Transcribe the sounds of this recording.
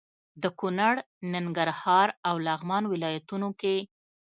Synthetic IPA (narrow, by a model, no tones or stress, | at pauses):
d̪əkunaɽ | nɪŋɡaɾhɑɾawlɑɣmɑnwɪlɑjat̪unoke